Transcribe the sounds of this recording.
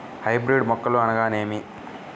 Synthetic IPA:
hɐjbɾiɖmɔkːɐloːɐnɐɡaːneːmi

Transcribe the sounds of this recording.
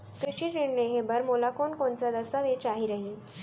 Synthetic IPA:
kɾuɕiːt͡ɕeɳneɦebəɾmolakonkoɳt͡sad̪əsaʋet͡ɕaɦiɾəɦiːn

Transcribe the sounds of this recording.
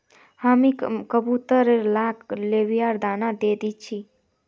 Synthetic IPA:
hamikəbut̪əɾelaːkleʋijaɾd̪aːnad̪ed̪it͡ʃʰi

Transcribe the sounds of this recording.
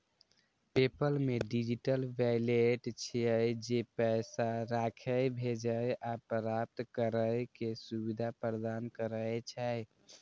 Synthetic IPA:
pepəlmeɖid͡ʒiʈəlʋajleʈt͡ʃʰiəjd͡ʒepɛɪsaɾakʰəjbʱed͡ʒəjapəɾap̚t̪kəɾəkesubid̪ʱapəɾəd̪ankəɾəjt͡ʃʰɛ

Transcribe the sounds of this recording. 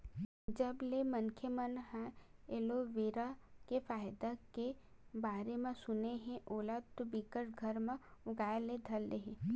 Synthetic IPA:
d͡ʒɐblemənkʰjəmənɦɛ̃eːloʋeːɾakefaːjd̪akebaːɾemẽsʊneɦɛ̃ʔoːlaːd̪̚t̪obikəɾɡʱɐɾmẽʊɡaːeled̪ʱɐlːeɦẽ

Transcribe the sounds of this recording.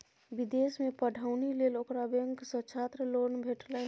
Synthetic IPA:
bid̪eːsmẽpəɖʱaʊnileːloːkɾabjəŋksət͡ʃʰat̪ɾəlonbʱeːʈʰlə

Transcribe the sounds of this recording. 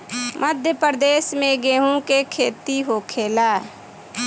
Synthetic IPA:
mʔəd̪ʱjəpəɾd̪eːsmẽɡeːɦũkekʰeːt̪iɦoːkʰeːlaː

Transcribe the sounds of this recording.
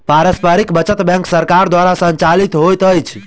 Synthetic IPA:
paɾəspəɾikbət͡ʃət̪bɛ̃ŋksəɾkaɾd̪waɾasəɲt͡ʃalit̪ɦojt̪əjt͡ʃʰ

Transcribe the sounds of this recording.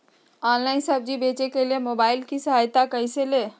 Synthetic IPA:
ɔːnlaːɪnsɐb̚d͡ʒibeːt͡ʃekeliemoːbaːɪlkisɐɦaːjt̪akɐĩseleː

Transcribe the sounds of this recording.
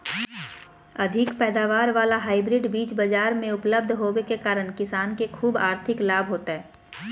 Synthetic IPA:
ɐd̪ʱɪkpɛːd̪aːʋaːɾʋaːlaɦaːɪbɾɪɖbiːt͡ʃbɐd͡ʒaːɾmẽʊpləb̚d̪ʱɦoːwekekaːɾəɽkɪsaːnkekʰuːbaːɾt̪ʰɪklaːbʱɦoːt̪aɦɛː

